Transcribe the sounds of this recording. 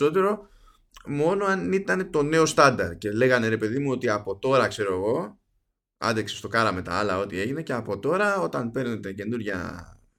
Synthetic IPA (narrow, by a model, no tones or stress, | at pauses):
o̞t̪̬e̞ɾo̞ | mo̞no̞ɐnit̪ɐne̞t̪o̞ne̞o̞st̪ɐnd̪ɐɾd̪̚ce̞le̞ɣɐne̞ɾe̞pe̞ðimuot̪iɐpo̞t̪o̞ɾɐkse̞ɾo̞eɣo̞ | ɐ̰nd̪eksest̪o̞kɐɾɐme̞t̪ɐ̰ɐlɐo̞t̪ie̞ʝine̞ce̞ɐpo̞t̪o̞ɾɐo̞t̪ɐnpe̞ɾne̞t̪e̞ce̞nuɾʝɐ̰